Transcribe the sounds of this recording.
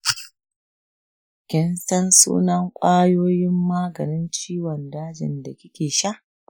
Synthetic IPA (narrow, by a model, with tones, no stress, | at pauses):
kʲɪ˦nsɐ˦nsṵː˦nɐ˦ŋkʷʼaː˦joː˦jɪ˦mːaː˦ɡɐ˨nɪ˦nt͡ʃiː˦wɔ˨ndaː˦d͡ʒɪ̰˨nda˨kʲɪ˦kʲeː˨ʃa˦ʔ